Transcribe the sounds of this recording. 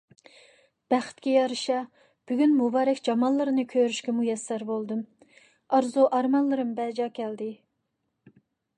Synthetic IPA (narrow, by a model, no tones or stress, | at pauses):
b̥æχɪ̥t̪kʲɛjɑɾɨʃɑ | b̥yɡʲynmubɑːɾɛkʲd͡ʒɑmɑnlˠːɨɾɨnɨkʲʰøɾyʃkʲɛmujɛsːæɾbolˠd̪ɨm | ɑɾzuʔɑɾmɑnlˠɨɾɨmbɛd͡ʒɑːkʲʰɛld̪ɪ